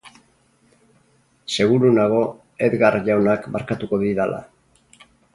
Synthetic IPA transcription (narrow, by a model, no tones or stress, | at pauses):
se̞ɣ̞uɾunaɣ̞o̞ | e̞ðɣarʝawnakbaɾkat̪uko̞ðiðala̰